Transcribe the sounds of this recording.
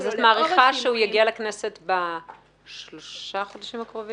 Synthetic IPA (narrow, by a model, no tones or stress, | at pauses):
zot̪maːʁiχaʃeujaɡialakne̞set̪ba | ʃloʃaχodaʃimakʁovi